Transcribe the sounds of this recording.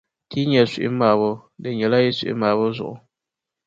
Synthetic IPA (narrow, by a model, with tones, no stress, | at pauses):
tʰi˦ɲɛ˨si˨ʔɪ˦maː˨βɔ˦dɨ˨ɲɛ˨la˦jɛ˦sḭ˨ʔɪ̰˦maː˨βɔ˦zʊ̰˨ʔʊ˨